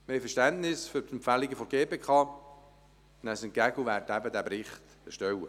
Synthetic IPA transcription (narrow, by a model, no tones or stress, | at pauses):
məɛjfəɾʃtæntnɪsføɾtəmpfæliɡəfɔɾɡeːpeːkʰɑː | næsənkæɡuʋæːɾtæbəd̪æbɾɪχt | əʃtɛwə